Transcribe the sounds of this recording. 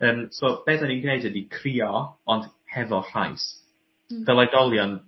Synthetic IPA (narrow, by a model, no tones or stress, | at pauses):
əːmsɔːb̥ɛðaninɡnedədikʰriːɔɔnd̥ | hɛðɔɬajs | d̥əlˠajdɔlˠjɔn